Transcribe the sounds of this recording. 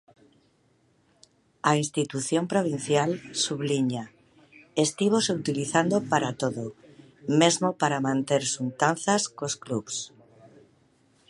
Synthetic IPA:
aĩnst̪it̪uθjõmpɾoβ̞in̟θjalsuβliɲa | est̪iβosut̪iliθand̪opaɾat̪oðo | mezmopaɾamãnt̪eɾsunt̪anθaskoskluβs

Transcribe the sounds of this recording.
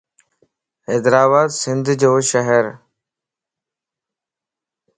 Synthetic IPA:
heːd̪ɾaːbaːd̪sɪ̃nd̪ʱd͡ʑoːʃəɦəɾ

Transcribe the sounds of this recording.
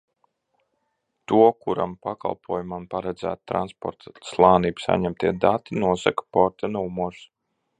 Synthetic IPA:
t̪uɔkuɾa̰mpaka̰lˠpʰuɔjumampaɾad̪zæ̰ːt̪̚t̪ɾa̰nspɔ̰ɾt̪slˠaːniːbsa̰ɲɛmt̪iɛd̪at̪inuɔsakḁpɔɾt̪anumɔɾs

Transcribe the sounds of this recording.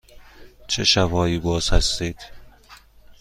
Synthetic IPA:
t͡ʃʰḛʃæfɒːiːbɒːz̥hæst̪iːd̪̥

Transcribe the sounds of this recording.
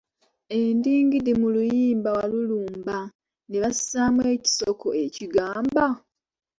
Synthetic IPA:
e̞ndiːŋɡidemulujiːmbawaluluːmba | neβasi̥samweːci̥soko̞̰e̞ciɡaːmba

